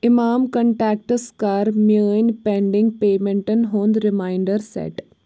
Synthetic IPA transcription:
ɪmaːmkɐɳʈaːk̚ʈəskaːɾmjəːnpẽːɳɖɪ̃ŋɡ̚peːmẽɳʈənɦoːnd̪ɾɪmaːɪɳɖəɾsḛːʈ

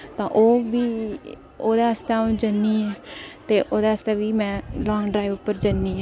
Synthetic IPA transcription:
t̪ãːʔoːʋiː | oːd̪eːəst̪aõːd͡ʒənːiːɛːt̪eːʔoːd̪eːəst̪eːʋiːmɛ̃ːlɔːŋɡɖɾaːiʋʊpːəɾd͡ʒənːiːɛː

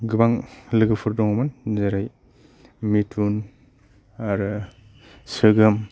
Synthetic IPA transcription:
ɡɯbaŋlɯɡɯpʰɯɾdɔŋmanzaɾaj | mitʰun | aɾɯ | sɯɡɯm

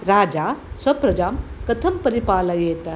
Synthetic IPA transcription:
ɾaːd͡ʒaːswɐpɾɐd͡ʒaːmkɐt̪ʰɐmpɐɾipaːlɐjeːt̪ɐ

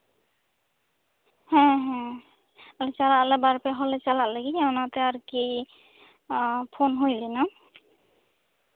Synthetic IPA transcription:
hɛ̃ɦɛ̃ | alɛt͡ʃalaʔlabaɹpɛɦɔlɛt͡ʃalaʔlaɡiawnat̪ɛaɹki | pʰonɦojlɛnɔ

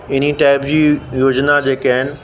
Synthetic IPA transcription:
ɪniʈaːɪpd͡ʑiːjoːd͡ʑnad͡ʑeːkaɦɪnɪ̆

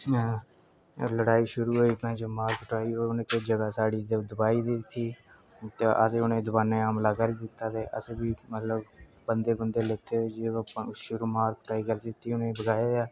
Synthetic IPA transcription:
ləɽaːiːʃʊɾuːɦoːiːp̪nãːt͡ʃəmaːɾkʈaːiːɦoːiʊnẽːked͡ʒəɡaːsaːɽiːd̪əd̪ʊbaːiːd̪iːkʰːiː | t̪eʔə̰seːʊnẽːd̪ʊbaːnẽːaːmlaːɡaːɾiːd̪ɪt̪ːaːt̪eːʔəseːbiːmət̪ləb | bənd̪eːbənd̪eːleːt̪eːod͡ʒeːpːʃʊɾuːmaːɾkʈaːiːɡəld͡ʒɪt̪ːiːʊnẽːbəɡaːeːaː

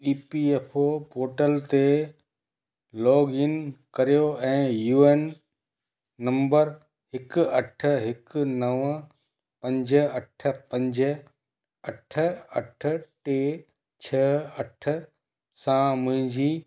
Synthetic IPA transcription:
iːpiepʰopoːɾʈəlt̪e | lɔːɡɪnkɐɾijoɛ̃ːjuːeːn | ɐ̃mbəɾ | ɦɪkʊɐʈ̆ʰɦɪknɐʋə | pɐ̃ɲd͡ʑəɐʈ̆ʰpɐ̃ɲd͡ʑə | ɐʈʰə̆ɐʈ̆ʰʈeː | t͡ɕʰɐɐʈʰə̆ | sãmʊ̃ɦɪ̃ɲd͡ʑiː

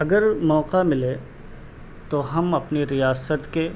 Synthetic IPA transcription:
ɐɡəɾmɔːqamɪle | t̪oɦɐmɐpniɾijaːsət̪ke

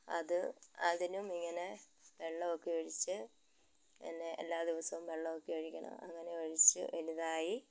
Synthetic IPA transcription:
ɐ̰ðɨɐðinumiŋːɐne̞ | ʋe̞ɭːɐokːeoɻit͡ɕːɨ | ḛnːḛːlːaːd̪iʋɐsɐʋumʋe̞ɭːɐʋokːeoɻikʲːɐɳɐ̰mɐ̰ŋːɐne̞ɐɻit͡ɕːɨ̰ʋɐliðaːji

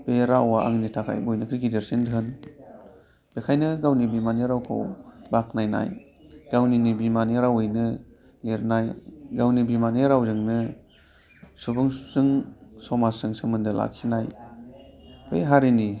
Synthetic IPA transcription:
b̥eɾawaa̰ŋnitʰakʰa̰jbojnɯkʰɾiɡideɾsindʰɯn | b̥ekʰajnɯɡawnibimaneɾawkʰo̰wbak̚najna̰j | ɡ̥awninibimaniɾawɯjnɯ | leɾnajɡawnibimaneɾawzɯŋnɯ | subɯŋz̥ɯŋsɔmasɯŋsɯmɯndɯla̰kʰinaj | b̥ḛjɦaɾini

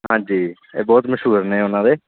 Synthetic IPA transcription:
ɦãːd͡ʒiː | ḛːbɔːt̪məʃɦuːɾnẽːʊnãːd̪eː

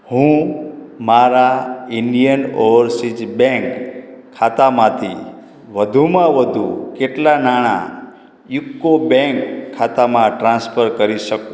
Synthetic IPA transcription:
hũ | maɾaɪnijənɔʋəɾsid͡ʒbɛ̃ŋkʰː | at̪amãt̪ʰḭ | ʋəd̪ʱumãʋəd̪ʱukeʈlanaɽ̃a̰ | jʊkːobɛ̃ŋkʰːat̪amãʈɾãnspʰəɾkəɾiʃəkũ

